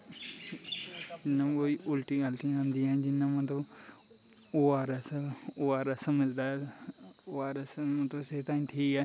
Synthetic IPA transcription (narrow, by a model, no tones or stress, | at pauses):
d͡ʒɪnːãkoːiʔʊlʈiːalʈ̪ĩãnd̪iːɛ̃ːd͡ʒɪnːãːmət̪əb | oːaːɾɛsoːaːɾəsəməd͡ʒd̪aːɛ | oːaːɾəsmət̪əseːt̪ãːĩːʈʰiːkɛː